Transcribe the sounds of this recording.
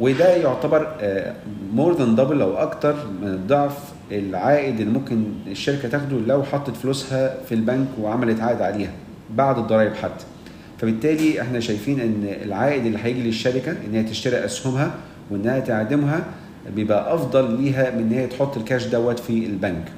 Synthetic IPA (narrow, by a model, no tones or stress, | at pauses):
wed̪æjoʕt̪æbɑɾˤ | moːɾd̪end̪ˤɑbelʔæwʔɑkt̪ɑɾˤmened̪ˤːɑʕf | elʕaːʔɪd̪elːimomkeneʃːæɾekæt̪æːxd̪ulæwħɑt̪ˤːet̪floːshæfilbænkweʕamælet̪ʕaːʔed̪ʕaleːhæ | baʕd̪ed̪ˤːɑɾˤɑːjebħat̪ːæ̥ | fæbet̪ːæːliʔeħnæʃæjfiːnʔenːḛlʕaːʔɪd̪elːiːħæjeɡileʃːæɾɪkæʔenːejhæt̪eʃt̪æɾiʔæshʊmhæ | weʔenːæhæt̪eʕad̪emɦæ | bejebʔæʔɑfd̪ˤɑlːiːɦæmenːhejːæt̪ħot̪ˤːelkæːʃd̪æwːæt̪fielbænk